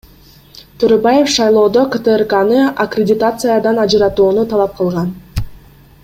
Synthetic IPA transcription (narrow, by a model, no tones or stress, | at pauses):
t̪ʰøɾøbaje̞fʃɑjlˠo̞ːd̪okət̪ɨerkanɯʔakrʲɪdʲɪt̪at̪sɨjad̪ɑnɑd͡ʒɯɾɑt̪uːnut̪ʰɑlˠɑp̚qʰɯlˠʁɑn